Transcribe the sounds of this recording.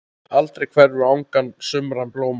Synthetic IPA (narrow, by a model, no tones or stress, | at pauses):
alt̪ɾejkʰv̥ɛɾvʏɾawŋkansʏmɾanploːwm